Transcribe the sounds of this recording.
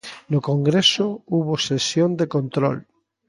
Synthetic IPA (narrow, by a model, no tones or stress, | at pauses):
nokoŋɡɾesouβ̞osesjond̪ekõnt̪ɾo̰l